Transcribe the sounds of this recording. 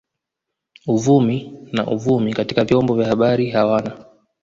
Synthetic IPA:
uvumina̰ʔuvumikati̥kavjɔmbɔvjahaɓaɾiɦawana

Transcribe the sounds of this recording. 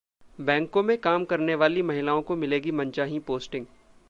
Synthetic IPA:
bɛ̃ːŋkõmẽkaːmkɐɾneʋaːlimɐɦɪlaːõkomɪleːɡimɐ̃nt͡ʃaːɦĩpoːsʈɪ̃ŋɡ

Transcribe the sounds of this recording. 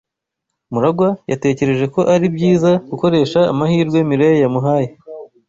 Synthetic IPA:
muɾaɡwajate̞ːce̞ɾe̞ʒe̞ko̞ʔaɾibɟiːzaɡ̥uko̞ɾe̞ʃaːmahiːɾɡwe̞miɾejejamuɦaːje

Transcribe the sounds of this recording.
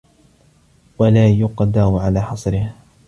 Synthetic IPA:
walaːjʊqd̪aʕalaːħɑsˤɾɪh

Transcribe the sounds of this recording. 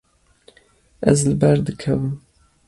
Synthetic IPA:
æ̰zlɨbæɾd̪ɨkʰɐvɨm

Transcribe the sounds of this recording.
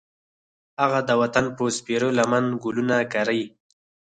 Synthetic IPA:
haɣad̪əwat̪anpospeɾolamanɡʊlunakaɾəj

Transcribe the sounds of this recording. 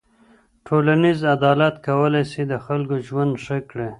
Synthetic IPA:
ʈʰolanizad̪ɑlat̪kawəlajsid̪əxalkoʒwand̪ʂəkɽe

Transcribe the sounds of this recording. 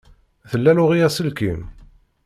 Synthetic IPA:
θəlːælʊʁijæsəlkḭm

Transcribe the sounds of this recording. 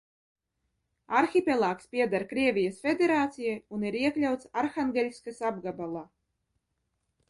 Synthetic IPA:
aɾxʲipʲɛlˠaːkspʲiɛd̪aɾkɾiɛvʲijasfʲed̪ʲeɾaːt̪sijajuniɾiɛklʲawt̪saɾxaŋɡʲɛlʲisʲkasab̚ɡabalˠaː

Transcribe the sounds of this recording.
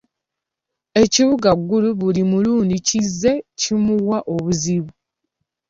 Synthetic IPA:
e̞ciβuɡaɡːuluβulimuluːndicizːe̞cimuwaʔo̞βuziβu

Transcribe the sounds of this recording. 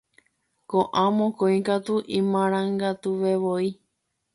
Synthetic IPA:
kõʔãmõkõĩkat̪uʔĩmãɾ̃ãŋɡat̪uʋeʋoi

